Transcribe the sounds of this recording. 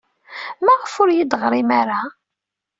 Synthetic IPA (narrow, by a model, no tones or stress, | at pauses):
mæʁəfʊɾjid̪ʁɾɪmaɾa